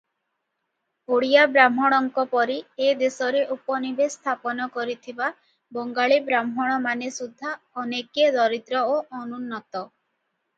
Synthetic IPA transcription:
oɽijabɾam̤ɦɔɽ̃ɔŋkɔpɔɾied̪esɔɾeʔupɔnibest̪ʰapɔnɔkɔɾit̪ʰiba | bɔŋɡaɭibɾamɦɔɽ̃ɔmanesud̪ʱːa | ɔneked̪ɔɾit̪ɾɔoɔnunːɔt̪ɔ

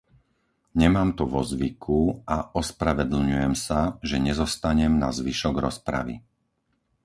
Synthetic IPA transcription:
ɲɛmaːmt̪uʋɔzʋikʰuaʔɔspɾaʋɛd̪l̩ɲujɛmsaʒɛɲɛzɔst̪aɲɛmna̰zʋiʃɔɡɾɔspɾa̰ʋḭ

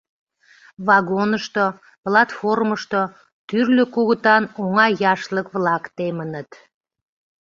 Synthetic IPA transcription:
βɑɣonəʃt̪o | plɑt̪forməʃt̪o | t̪yrløkuɣət̪ɑnoŋɑjɑʃləkβlɑkt̪emənət̪

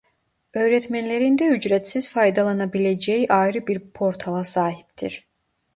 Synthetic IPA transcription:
ø̞jɾɛt̪mænlʲeɾind̪ɛyd͡ʒɾɛt̪siz̥fajd̪alˠanabilʲed͡ʒɛjiʔajɾɯbiɾpʰo̞ɾt̪ʰalˠasaːɦi̥p̚t̪ʰḭɾ̥

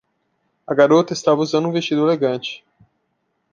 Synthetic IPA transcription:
ɐɡaɾot̪ɐɪist̪avɐuzɐ̃nd̪ũvest͡ʃid̪ʊeleɡɐ̃t͡ʃɪ̥

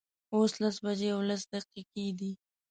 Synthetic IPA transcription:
oslasbad͡ʒeawlas̬d̪aqiqed̪i

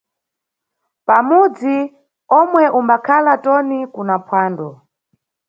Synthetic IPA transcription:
pamud͡zi | ɔmwɛʔumbakʰalatɔnikunapʰwaːndɔ

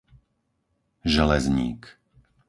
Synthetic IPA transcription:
ʒɛlɛzɲḭːk

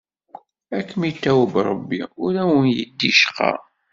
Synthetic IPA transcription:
ækːmit̪ːæwəbɾˤəbːiʊɾæwənjəd̪ːiʃqɑ̰

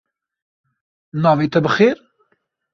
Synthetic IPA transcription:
nɑːveːt̪ʰɛbɨxeːɾ

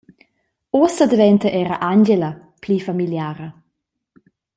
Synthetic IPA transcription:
oːsəd̪əvɛnt̪əʔɛːɾəʔanɟelə | pʰlifamiljaːɾə

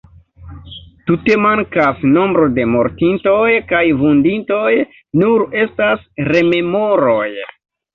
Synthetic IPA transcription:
tute̞maŋkasno̞mbɾo̞de̞mo̞ɾtinto̞jkajvundinto̞j | nuɾe̞stasɾe̞me̞mo̞ɾoj

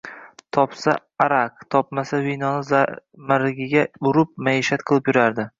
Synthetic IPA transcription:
t̪ʰɒpsa | aɾakt̪ʰɒp̚masavinɒnɪzamaɾɪɡʲɪɡʲaʊɾʊp̚maiʃat̪qʰɨlˠɪpjʊɾaɾd̪ɪ

